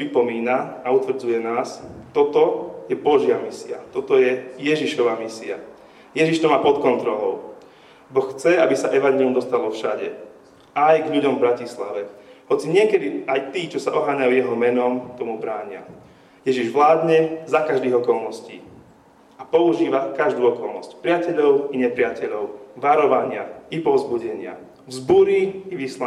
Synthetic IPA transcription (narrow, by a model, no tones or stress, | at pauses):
pɾipɔmiːnaaut̪ʋɾ̩d͡zujɛnaːst̪ɔt̪ɔjɛbɔʒɪamisia̰t̪ɔt̪ɔjɛjɛʒiʃɔʋaːmisia | jɛʒiʃt̪ɔmaːpɔt̪kɔnt̪ɾɔlɔ̰ʊ | bɔxxt͡sɛabisaʔɛʋaɲɛliumd̪ɔst̪alɔfʃaɟɛ̰ | ajɡʎuɟɔmvbɾacisla̰ʋɛhɔt͡siɲɪɛkɛd̪iajt̪iːt͡ʃɔsaʔɔɦaːɲajujɛɦɔmɛnɔmt̪ɔmubɾaːɲɪa̰ | jɛʒiʒʋlaːd̪ɲɛzakaʒd̪iːɣɔkɔlˠnɔscḭː | apɔuʒiːʋakaʒd̪uːɔkɔlˠnɔscpɾɪacɛʎɔʊiɲɛpɾɪacɛʎɔʊʋaɾɔʋaɲɪaipɔzbuɟɛɲɪa̰ | vzbuɾiiʋisla